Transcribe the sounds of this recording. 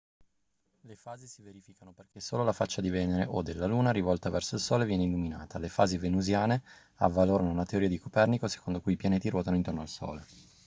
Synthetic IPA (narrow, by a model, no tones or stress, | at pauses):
lefaːzisiveɾifikanoperkesoːlolafat͡ʃːad̪ivɛːneɾeʔod̪elːaluːnaɾivɔlt̪avɛrsoilsoːlevjɛːneilːumina̰ːt̪ʰalefaːzivenuzjaːne | a̰vːaloːɾanounat̪eoɾiːad̪ikopɛrnikose̥kond̪okujipjaneːt̪iɾwɔːt̪anoint̪ornoalso̰ːle